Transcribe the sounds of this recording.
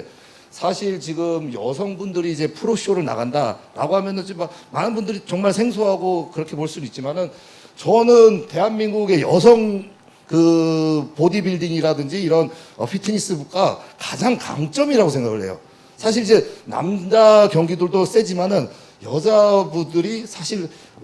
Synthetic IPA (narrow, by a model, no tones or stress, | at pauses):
sʰaɕʰiɭt͡ɕiɡɯmjʌsʰʌŋbundɯɾiːd͡ʑe̞pʰuɾoɕʰioɾɯɭna̰ɡanda̰ɾa̰ɡoɦamjʌnɯnt͡ɕimːakmanɯnbundɯɾit͡ɕʌŋmaɭsʰe̞ŋs̬ʰoɦaɡokɯɾʌkʰe̞poɭs͈uduit̚t͡ɕ͈imanɯn | t͡ɕʌnɯnte̞ɦanmiŋɡuɡe̞jʌ̰s̬ʰʌŋ | kɯpodibiɭdiŋiɾadɯnd͡ʑiːɾʌn | ʌ̰ɸʰitʰɯɲis͈ɯbuk͈akḁd͡ʑaŋka̰ŋt͡ɕ͈ʌmiɾaɡosʰeŋɡaɡɯɭɦe̞jo̰ | sʰaɕ̬ʰiɾid͡ʑe̞na̰md͡ʑakjʌŋɡidɯɭdos͈e̞d͡ʑimanɯn | jʌd͡ʑabudɯɾisʰaɕʰiɭ